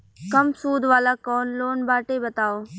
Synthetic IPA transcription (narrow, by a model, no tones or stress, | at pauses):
kɐmsuːd̪ʱʋaːlakɔːnloːnbaːʈebɐt̪aːoː